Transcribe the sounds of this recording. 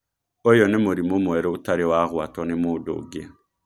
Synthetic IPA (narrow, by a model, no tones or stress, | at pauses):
ojɔnemoɾimomowɛɾɛotaɾewaɣwatɔnemodo̰ɡe